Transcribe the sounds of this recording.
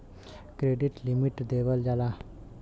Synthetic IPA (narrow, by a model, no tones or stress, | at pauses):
kɾeɖiʈlimiʈd̪eʋəld͡ʒala